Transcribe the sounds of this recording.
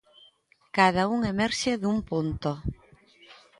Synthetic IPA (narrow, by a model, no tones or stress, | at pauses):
kaðauŋemɛɾʃeðumpont̪o